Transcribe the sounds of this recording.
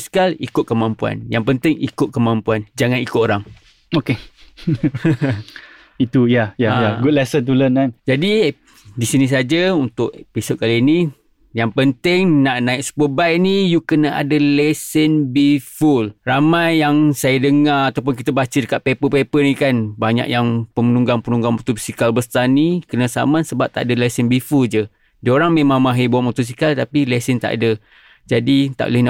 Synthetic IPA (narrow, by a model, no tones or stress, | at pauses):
skalḭkʊt̪̚kəmampua̰njaŋpənt̪ɪŋḭkʊt̪̚kəmãmpuand͡ʒaŋãnikʊt̪̚oɾaŋ | oke | it̪ujajajaɡud̚lɛsənt̪ulənkand͡ʒadi | disinĩs̬ad͡ʒaunt̪ʊʔpisʊʔ̪̚kaliini | jaŋpənt̪ɪŋnaʔnaɪk̚sə̥pəbajnijukənaa̰dəlɛsənbifulramajːaŋsajədəŋaat̪aup̬ʊnk̬it̪əbat͡ʃədəkat̪̚pepəpepənikanbaɲa̰ʔjaŋpəmənuŋɡaŋpənuŋɡaŋmot̪usikalbəst̪anikənəsa̰mansəbap̚t̪aʔadəlɛsənbifuld͡ʒə | dəoɾaŋmemaŋmaɦəbuaʔmot̪us̬ikalt̪apilɛsənt̪a̰ʔa̰də | d͡ʒadit̪a̰ʔo̰ləhna